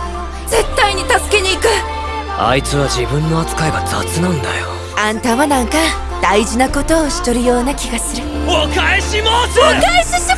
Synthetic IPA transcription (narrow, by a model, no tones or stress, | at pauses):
ze̞t̪ːaiɲ̟it̪asɨ̥ke̞ɲʲiikɯ̟ | a̰it͡sɨβaʑibɯ̟̃nːo̞at͡sɨ̥kaebad͡za̰t͡sɨnãɯ̃nd̪a̰jo | ãnt̪aːβanãŋka | d̪̥aiʑinako̞t̪o̞ːɕi̥t̪o̞ɾɯ̟jo̞ːnakʲiɡasɨɾɯ̟ | okaeɕimasɨokaeɕiɕi